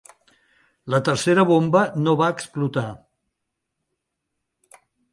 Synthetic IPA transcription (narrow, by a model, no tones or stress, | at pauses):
lət̪əɾseɾəβ̞ombənoβaəksplut̪a